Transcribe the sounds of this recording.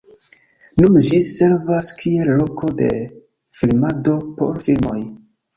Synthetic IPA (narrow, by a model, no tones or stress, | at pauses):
nund͡ʒise̞ɾvaskʰie̞lːo̞kʰo̞de̞̰ | filmado̞po̞̰ɾfilmo̞̰j